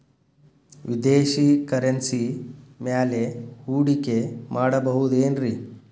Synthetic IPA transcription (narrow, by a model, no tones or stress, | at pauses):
ʋid̪eːʃikɐɾensimjaːleuːɽikemʔaːɽɐbɐɦud̪eːnɾi